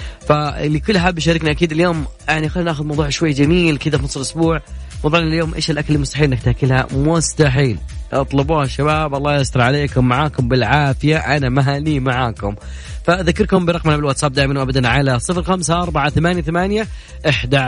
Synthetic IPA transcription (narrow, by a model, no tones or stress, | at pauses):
falikʊlːʔaħabːʃ̬aːɾɪkniʔakiːd̪ɪljoːmjaʕniʔxalːanaːxʊd̪mɑwðˤuːʕʃwajːd͡ʒamiːlkɪðafinɑsˤɪlʔʊsbuːʕmɑðˤuːʕnaljoːmʔḛːʃɪlʔakalmʊst̪aħiːlʔɪnːak̚t̪hakːɪlha̰mʊst̪aħiːlʔɑt̪ˤlʊbuːhaʃːabaːbʔɑlˤːɑːjast̪ɑɾˤʕaleːkʊmːaʕaːkʊmbɪlʕaːfɪjaʔanamaɦaːniːmaʕaːkʊm | faʔðakːɑɾkʊmbɪɾˤɑɣmanabɪlwat̪sab̚d̪aːʔmanwʔabad̪anʕalasˤɨfɾxamsaʔɑɾˤbaʕaθamaːnjaθamaːnja | ʔɪħd̪a